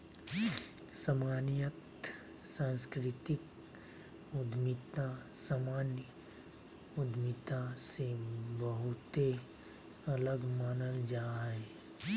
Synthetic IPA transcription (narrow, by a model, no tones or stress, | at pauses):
səmaːnijət̪ | sãːnskɾɪt̪ɪk | ʊd̪mɪt̪asamaːnj | ʊd̪mɪt̪ãsebəɦʊt̪e | ɐləɡmaːnəld͡ʒaːɦɛː